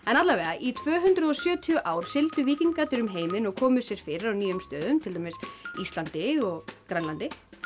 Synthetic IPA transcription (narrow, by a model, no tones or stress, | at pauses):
ɛnat̪laɾvɛːɣaʔit̪ʰvœːɦʏnt̪ɾʏðɔsjœːt̪ʰiʏʔaːwɾ̥sɪlt̪ʏviːciŋkat̪ɪɾʏmɦeːjmɪnɔɣkʰɔːmʏsjɛɾ̥fɪɾɪɾawniːjʏmst̪œːðʏmt̪ʰɪlt̪amesist̪lant̪ɪɔɣkɾanlant̪ɪ